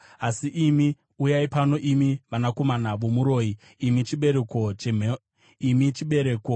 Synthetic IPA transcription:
asiʔimi | ujaipano̞ʔimiʋanako̞manaʋo̞muɾo̞ːi | imit͡ʃiɓe̞ɾe̞ko̞t͡ʃeme | imit͡ʃiɓe̞ɾe̞ːko

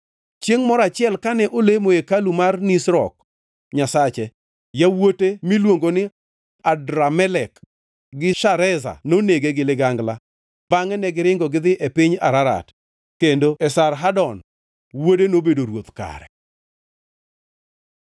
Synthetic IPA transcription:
t͡ʃjeŋmɔɾat͡ʃɪɛlkanɛʔolemoekalumarnisɾɔ̰k̚ | ɲasat͡ʃɛ | jawotemilwoŋɡonɪ | adɾamɛlɛk | ɡɪʃaɾɛza̰noneɡeɡɪlɪɡaŋɡla | baŋɛnɛɡɪɾɪŋɡɔɡɪd̪ɪʔepɪɲa̰ɾaɾa̰t | kendoɛsaɾɦadɔn | wodenobedoɾwot̪ka̰ɾɛ̰

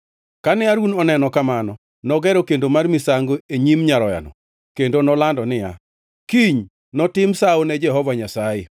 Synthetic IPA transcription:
kanɪaɾunɔnɛnɔkamanɔ | nɔɡɛɾɔkendomarmɪsaŋɡoeɲimɲaɾɔja̰nɔ̰ | kendonɔlandɔnɪja̰ | kiɲ | nɔtɪmsaonɛd͡ʒɛɦɔvaɲasajɪ

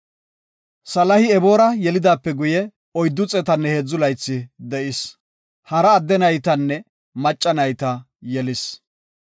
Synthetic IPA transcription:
sɐlɐhɪɛbo̞ːɾɐjɛlɪd̪aːpːɛɡʊjɛ | ɔjd̪ːʊt͡sʼɛt̪ɐnːɛheːd͡zːʊlɐjt͡sːɪd̪ɛʔɪs | hɐɾɐːd̪ːɛnɐjt̪ɐnːɛ | mɐt͡ʃʼːɐnɐjt̪ɐ | jɛlɪs

